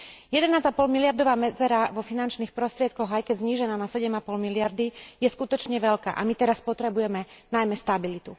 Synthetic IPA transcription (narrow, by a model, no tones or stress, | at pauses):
jɛd̪ɛnaːzapɔlmilɪaɾd̪ɔʋaːmɛd͡zɛɾaʋɔfinant͡ʃniːxpɾɔst̪ɾɪɛt̪̚kɔɣajkɛɟzɲiːʒɛnaːnasɛɟɛmapɔlmilɪaɾd̪ijɛskut̪ɔt͡ʃɲɛʋɛʎka̰ːʔa̰mit̪ɛɾaspɔt̪ɾɛbujɛmɛnajmɛst̪abilit̪u